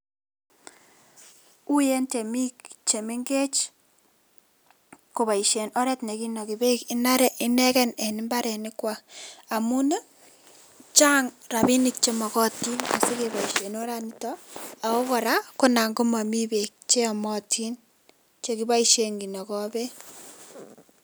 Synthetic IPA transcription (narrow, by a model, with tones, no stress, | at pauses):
u˦je˦nt͡ʃe˨mi˦kt͡ʃe˨me˦ŋɡe˦t͡ʃ | ko˨βa˨i˨ʃe˨nɔ˦ɾɛ˦tne˨ki˦nɔ˨ki˨be˦ki˦na˦ɾɛ˦ʔɪ˦nɛ˦kɛ˦nɛ˨nɪ˦mba˦ɾɛ˨nɪ˦kwa˦a˨mu˦ne˦ | t͡ʃa˦ŋra˨bi˦ni˨k̚t͡ʃe˦mɔ˨kɔ˦ti˦na̰˨si˦ke˨βa˨i˨ʃe˨no˦ɾa˦ni˦tɔ˦a˨ko˦kɔ˨ɾa˦ko˦na˨ŋɡo˦ma˨mi˦be˨k̚t͡ʃe˦ɔ˨mɔ˦tʰi˦n | t͡ʃe˨ki˦ba˦iʃe˨ŋɡi˨nɔ˨kɔ˦be˦